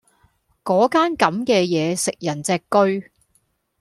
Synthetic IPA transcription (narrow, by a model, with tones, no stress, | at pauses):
kɔː˨˥kaː˥nkɐ˨˧mkɛː˧jɛː˨˧sɪ˨k̚jɐ˨˩nt͡sɛː˧kːɵ˥ɥ